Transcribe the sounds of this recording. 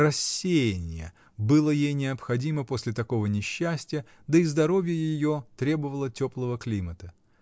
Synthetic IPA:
rɐsʲːejɪnʲɪ̰jə̰ | bɨlˠəjejnʲɪɐpxɐdʲiməpo̞sʲlʲɪt̪ɐko̞vənʲɪɕːæsʲtʲɪjə | d̪əizd̪ɐɾo̞vʲjəjɪjo̞t̪ɾʲe̞bəvəlˠətʲo̞plˠəvəklʲimət̪ə

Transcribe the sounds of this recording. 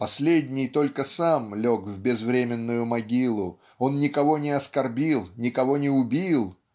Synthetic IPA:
pɐsʲlʲedʲnʲɪjt̪o̞lʲkəsamlʲo̞kvbʲɪzvɾʲemʲɪnːʊjʊmɐɡʲilˠʊ | o̞nnʲɪkɐvo̞nʲɪɐskɐrbʲilˠnʲɪkɐvo̞nʲɪʊbʲilˠ

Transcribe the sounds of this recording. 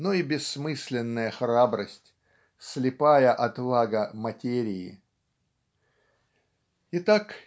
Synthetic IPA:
noibʲɪsːmɨsʲlʲɪnːəjəxɾabɾəsʲtʲ | slʲɪpajəʔɐt̪vaɡəmɐtʲeɾʲɪɪ̰ | ɪt̪ak

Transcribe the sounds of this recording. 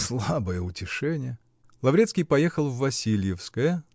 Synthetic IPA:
slˠabəjəʊtʲɪʂɛnʲɪjə | lˠɐvɾʲet̪skʲɪjpɐjexəlˠvːɐsʲilʲjɪfskəjə

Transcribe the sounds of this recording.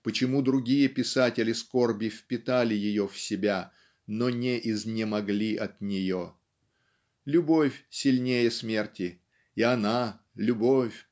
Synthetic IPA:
pət͡ɕɪmud̪ɾʊɡʲijəpʲɪsatʲɪlʲɪskorbʲɪfpʲɪt̪alʲɪjɪjofsʲɪbʲa | nonʲɪʔɪznʲɪmɐɡlʲiʔɐt̪nʲɪjo | lʲʊbo̞fʲsʲɪlʲnʲejəsmʲe̞rtʲɪ | ɪɐna | lʲʊbofʲ

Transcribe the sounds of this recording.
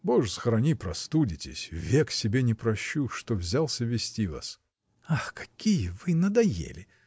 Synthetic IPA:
boʐsəxəɾɐnʲipɾɐst̪udʲɪtʲɪsʲvʲeksʲɪbʲenʲɪpɾɐɕːuʂt̪ovzʲalˠsʲəvʲɪsʲtʲiva̰s | axkɐ̥kʲijəvɨnəd̪ɐjḛlʲɪ

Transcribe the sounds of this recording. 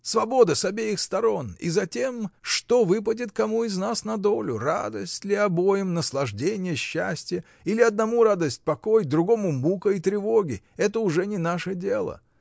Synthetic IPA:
svɐbo̞d̪əsɐbʲejɪxst̪ɐɾo̞nḭzɐtʲe̞mʂt̪o̞vɨp̬ədʲɪt̪kɐmuɪznasnɐd̪o̞lʲʊra̰d̪əsʲtʲlʲɪɐbo̞jɪmnəslˠɐʐdʲenʲɪjəɕːæsʲtʲɪjə | ilʲɪɐd̪̚nɐmuɾad̪əsʲt̚ʲpɐko̞jd̪ɾʊɡo̞mʊmukəit̪ɾʲɪvo̞ɡʲɪ | ɛt̪əʊʐɛnʲɪnaʂədʲe̞lˠə̰

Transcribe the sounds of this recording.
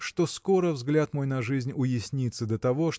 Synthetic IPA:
ʂt̪oskoɾəvzɡlʲat̪mo̞jnɐʐɨzʲnʲʊjɪsʲnʲit̪səd̪ət̪ɐvo̞ʂ

